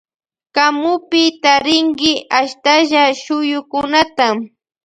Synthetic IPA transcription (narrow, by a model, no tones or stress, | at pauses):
kamʊpɪt̪aɾɪŋɡɪʔaʃt̪aʒaʃʊjʊkʊnat̪am